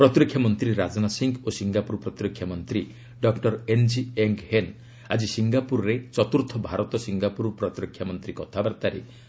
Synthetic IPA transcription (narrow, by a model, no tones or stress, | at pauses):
pɾɔt̪ɾɔkʰjamɔnt̪ɾiɾad͡ʒɔnasiŋɡosiŋɡapuɾpɾɔt̪iɾɔkʰːjamɔnt̪ɾi | ɖɔkʈɔɾend͡ʒieŋɡhen | ad͡ʒisiŋɡapuɾɔɾet͡ʃɔt̪uɾt̪ʰɔbʱaɾɔt̪ɔsiŋɡapuɾpɾɔt̪iɾɔkʰjamɔnt̪ɾikɔt̪ʰabaɾt̪aɾḛ